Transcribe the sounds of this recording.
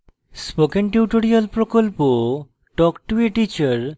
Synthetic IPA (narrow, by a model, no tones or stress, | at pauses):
spokenʈiʈoɾialpɾokolpo | ʈɔkʈueʈit͡ɕaɾ